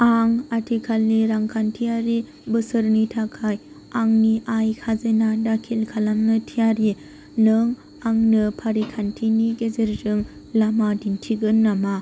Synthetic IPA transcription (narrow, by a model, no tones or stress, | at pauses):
aŋatʰikʰalːiɾaŋkʰantʰijaɾi | bɯsɯɾnitʰakʰaj | aŋniʔajkʰazenadakʰilkʰalamnɯtʰijaɾi | nɯŋ | aŋnɯpʰaɾikʰantʰiniɡezeɾzɯŋ | lamadintʰiɡɯnːama